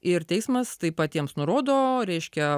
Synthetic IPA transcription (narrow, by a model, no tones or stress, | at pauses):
ɪɾt̪ʲɛɪsmɐst̪ɐɪpɐt̪ʲiɛmsnʊɾoːd̪oːɾʲɛɪʃʲkʲɛ